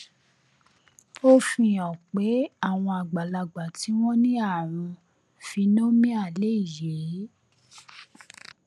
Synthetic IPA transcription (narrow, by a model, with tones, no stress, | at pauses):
o˦fĩ˧jɔ̃˨k͡pe˨˦a˦˨w̃ɔ̃˧a˨ɡ͡ba˨la˧ɡ͡ba˨ti˨˦w̃ɔ̃˦nĩ˦a˦˨ɾ̃ũ˧ | fi˧nõ˦mĩ˦a˦˨le˦i˦˨je˨˦